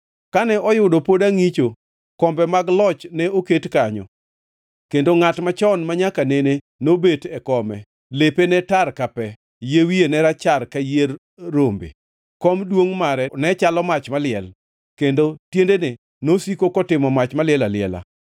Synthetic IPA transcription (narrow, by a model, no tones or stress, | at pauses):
kanɛɔjʊdɔpodaŋit͡ʃo | kɔmbɛmaɡlɔt͡ʃnɛoketkaɲɔ̰ | kendoŋatmat͡ʃɔnmaɲakanene | nobetɛkɔmɛ | lepenɛtarkapɛ | jewienɛɾat͡ʃarkajerː | ombḛ | kɔmdwoŋmaɾɛnɛt͡ʃalɔmat͡ʃmalɪɛl | kendotjendene | nosikokɔtɪmɔmat͡ʃmalɪɛlalɪɛ̰la̰